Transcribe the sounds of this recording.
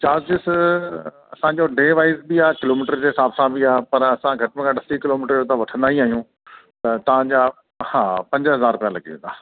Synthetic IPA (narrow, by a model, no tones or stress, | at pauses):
t͡ɕaːzd͡ʑɪs | ɐsãd͡ʑoɖeːʋaːɪzbiaːɦkɪloːmiːʈəɾd͡ʑeːsaːbsãbʱiaːɦpɐɾɐsãɡʱɐʈəmkʰãɖɐsikɪloːmiːʈəɾd͡ʑot̪ãʋɐʈʰə̃nd̪aːɦiaːɦijũ | t̪ɐt̪ɐʋ̤ãd͡ʑa | hãːpɐ̃ɲd͡ʑɦɐzaːɾʊpjãlɐɡiʋḛ̃nd̪aː